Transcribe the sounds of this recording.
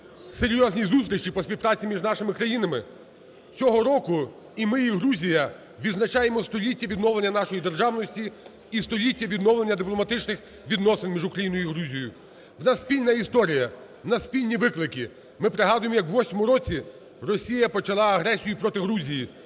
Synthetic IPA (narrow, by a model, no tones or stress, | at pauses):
seɾʲjɔzʲnʲizust̪ʲɾʲɪʃt͡ʃipɔspʲiwpɾɑt͡sʲimʲiʒnɑʃɪmɪkɾɐjinɐmɪ | t͡sʲɔɦɔɾɔkʊ | imɪiɦɾuzʲijɐ | ʋʲid̪znɐt͡ʃɑjemɔst̪ɔlʲitʲːɐʋʲid̪nɔʋlenʲːɐnɑʃɔjid̪e̞rʒɑwnɔsʲtʲi | ist̪ɔlʲitʲːɐʋʲid̪nɔwlˠenʲːɐd̪ɪplˠɔmɐt̪ɪt͡ʃnɪx | ʋʲid̪nɔsɪnmʲiʒʊkɾɐjinʊjʊiɦɾuzʲijɔjʊ | wnɑsspʲilʲnɐist̪ɔɾʲijɐ | nɐspʲilʲnʲiʋɪklˠɪkʲi | mɪpɾeɦɑd̪ʊjemɔjɐkʋʋɔsʲmɔmʊɾɔt͡sʲi | rɔsʲijɐpɔt͡ʃɐlˠɑɐɦɾɛsʲijʊpɾɔt̪ɪɦɾuzʲiji